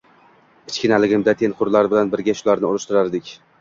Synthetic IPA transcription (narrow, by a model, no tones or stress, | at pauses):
ɪ̥t͡ʃkʲɪnalɪɡʲɪmd̪at̪ʰenqʰʊɾlaɾbɪlanbɪɾɡʲaʃʊlaɾnɪʊɾʊʃt̪ɪɾaɾd̪ɪkʲ